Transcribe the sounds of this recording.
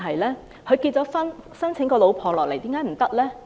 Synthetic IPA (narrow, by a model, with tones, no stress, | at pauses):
ɦɐ˨jlɛː˥ | kʰɵ˨˧ɥkiː˧t̚t͡sɔː˨˥fɐ˥nsɐ˥nt͡sʰɪ˨˥ŋkɔː˧lo˨˧˥wpʰɔː˨˧lɔː˨k̚le˨˩jt̪iː˨˥kaː˨˥m̩˨˩t̪ɐ˥k̚lɛː˥